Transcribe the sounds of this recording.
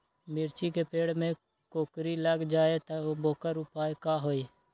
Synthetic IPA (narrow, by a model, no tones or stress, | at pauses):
mɪɾt͡ʃikepeːɽmẽ | koːkɾiləɡd͡ʒaːet̪əoːboːkəɾʊpaːekaːɦoːeː